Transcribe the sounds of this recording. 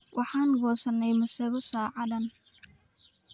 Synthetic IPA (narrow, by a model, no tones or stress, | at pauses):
wʔɑħɑːŋɡɔːsɐnːɛjmʊsɛɣʊsaːʕɑdɐn